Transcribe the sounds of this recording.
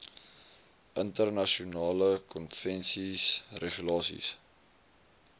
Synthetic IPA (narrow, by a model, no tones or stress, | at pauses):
ʔəntərnɐʃiunɑːləkɔnfɛnsisreχylɑːsḭs